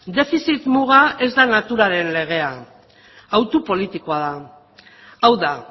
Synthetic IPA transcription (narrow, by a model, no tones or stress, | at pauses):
d̪e̞fisit̪muɣ̞ae̞zd̪anat̪uɾaɾe̞nle̞ɣ̞e̞a | awt̪upo̞lit̪ikoaða | awða